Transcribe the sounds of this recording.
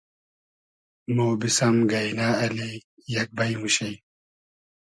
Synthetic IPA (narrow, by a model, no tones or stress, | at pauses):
moːbisɐmɡɐjnaːɐli | jɐk̚bɐjmuɕɐj